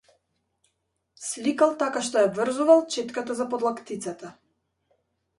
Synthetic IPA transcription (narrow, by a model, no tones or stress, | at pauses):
slikalˠt̪akaʃt̪ɔjabvr̩zuvalˠt͡ʃɛt̪kat̪azapɔd̪lˠakt̪it̪sat̪a